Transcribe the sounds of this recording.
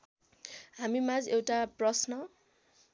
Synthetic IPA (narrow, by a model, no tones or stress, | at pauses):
ɦamimad͡zewʈaprʌsnʌ